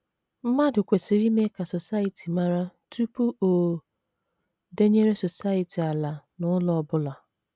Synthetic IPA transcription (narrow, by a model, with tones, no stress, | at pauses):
m̩˦ma˦dʊ˨kʷe˨si˨ɾi˦me˦ka˨so˨sa˦i˨tʰi˨ma˦ɾa˦tʰu˦pu˦o˨ | de˦ɲe˦ɾe˦so˨sa˦i˨ti˨a˨la˨nʊ˦lɔ˨˦bʊ˦la˨